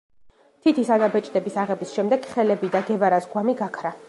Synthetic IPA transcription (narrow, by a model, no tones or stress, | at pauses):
t̪ʰit̪ʰisanabɛt͡ʃʼd̪ɛbisaʁɛbisʃɛmd̪ɛɡ̥χɛlɛbid̪aɡɛvaɾasɡwamiɡakʰɾa